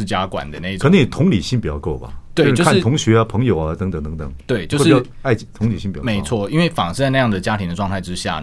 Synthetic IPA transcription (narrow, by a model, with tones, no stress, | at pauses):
t͡ɕja˥kwa̰˨˩nd̪ə˦na˥˧i˧ə˨˩nə˧˥ni˨˩t̪ʰʊ˧˥ŋli˨˩ɕi˥npi˨˩t͡ɕjɑ˥˧ʊko˥˩ʊbɐ̰˨˩t̪we˥˧ɪt͡ɕʂo˥˧kʰa˥˨n˥tʰʊ˧˥ŋɕɥɛ˧˥ɐ˦˧pʰɤ˧˥ŋjo˨˩ʊɐ˧t̪ə˧˥ŋt̪ə˨˩ŋt̪ə˧˥ŋt̪ə̰˨˩ŋt̪we˥˩ɪt͡ɕjo˥˧ʊ˥ʂi˩ | a˥˧ɪt͡ɕi˥˩t̪ʰʊ˧˥ŋli˨˩ɕi˥˧˩pme˧˦˧ɪ˥t͡sʰwɔ˥˩i˥nwe˥˩ɪfɑ̰˨˩ŋ̩˧t͡sa˥˧na˥˧jɑ˥˩ŋd̪ə˩t͡ɕja˥t̪ʰi˧˥d̪ə˧ʈ͡ʂwɑ˥˧ŋt̪ʰa˥˩ɪʈ͡ʂɻ̩˥ɕja̰˥˩